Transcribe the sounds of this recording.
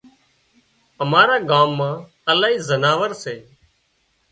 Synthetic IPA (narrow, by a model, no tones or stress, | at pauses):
əmaːɾaːɡaːmːãː | əlaːɦiːzənaːʋəɾseː